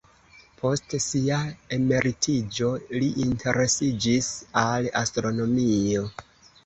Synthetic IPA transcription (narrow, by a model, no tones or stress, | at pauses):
pʰo̞stsiae̞me̞ɾitʰid͡ʒo̞liʔintʰe̞ɾe̞sid͡ʒisala̰stɾo̞no̞mio̞